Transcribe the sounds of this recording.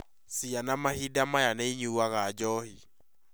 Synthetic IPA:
sianamahidamajanaiɲuwaɣad͡ʒɔhi

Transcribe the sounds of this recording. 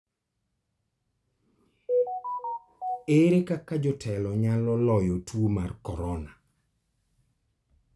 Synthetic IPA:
eɾekakad͡ʒɔtʰɛlɔɲalɔlɔjɔtwomarkɔɾɔna

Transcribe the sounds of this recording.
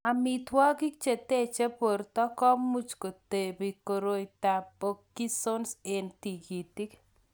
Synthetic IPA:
amit̪ʰwɔɡik̚t͡ʃet̪et͡ʃepoɾt̪ɔkɔmːut͡ʃkot̪ebikoɾojt̪apokːisonsent̪iɡit̪ik

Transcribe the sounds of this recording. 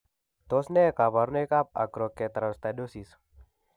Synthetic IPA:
t̪osnekabaɾnekap̚a̰ɡɾokːet̪ɐɾast̪adosis

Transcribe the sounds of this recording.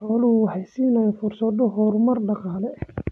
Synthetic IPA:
ɔːlʊʊwɑħɑjsɪnafʊrsɐd̪ɔɦɔːɾʊmɐrɖɑqɑːlɛ

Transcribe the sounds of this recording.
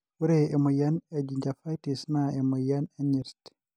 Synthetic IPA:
wuɾɛjɛmɔjanɛd͡ʒiɲd͡ʒafajtisnaɛmɔjanɛɲiɾtɛ̥

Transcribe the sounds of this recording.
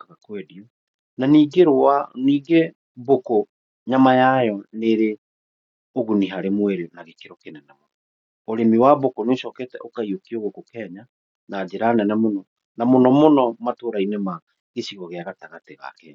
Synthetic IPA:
kaɣakwɛdiɔ | naniːɡeɾoaniːɡe | boko | ɲamajajɔneɾe | oɣuniɦaɾemweɾenaɣekeɾokenɛnɛmonɔ | oɾemiwabokoneoʃɔːkɛtɛʔokaiokioɣokokɛɲa | naːd͡ʑeɾaːnɛnɛmonɔ | namonɔmonɔmatoɾainema | ɣeɕiɣɔɣeaɣataɣateɣa̰kɛ

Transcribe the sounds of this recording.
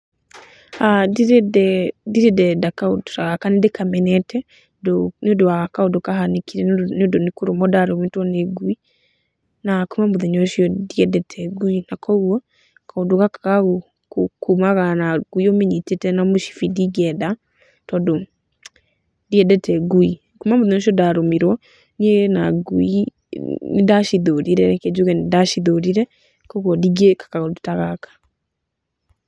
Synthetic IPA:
addɛdiɾedɛdakado̥saɣakanidekʰamɛnɛtʰɛ | dnodoakaodokaɦanikiɾɛnodonikuɾomɔdaɾɔmitwɔneɡwi | nakumamoðɛɲɔʃiɔdiɛdɛtʰɛɡuinakʰɔɣɔ | kʰaodokakakaɣo | kukumaɣanaɡuiɔmeɲitetɛnamoʃi̥fidiɡɛda | tɔdo | diɛdɛtɛɡui | kumamoðɛɲɔʃ̬iɔdaɾomiɾwɔ | neɣɛnaɡui | nidaʃiðoɾiɾɛked͡ʒuɣɛnidaʃiðoɾiɾɛ | kɔɣwɔdiɡekḁkaɣodotaɣakḁ

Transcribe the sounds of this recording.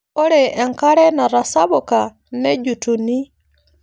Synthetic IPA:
oɾeʔːŋkaɾenaɾasaβoka | neɟutuni

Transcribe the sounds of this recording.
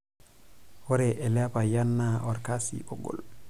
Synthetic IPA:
wɔɾɛʔɛlapajanːaʔɔɾkasḭʔɔ̰ɡɔ̰l

